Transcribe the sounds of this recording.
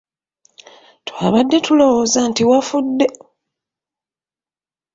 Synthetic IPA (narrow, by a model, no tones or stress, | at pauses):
twaːβadːe̞tulo̞woːzantiwafudːe̞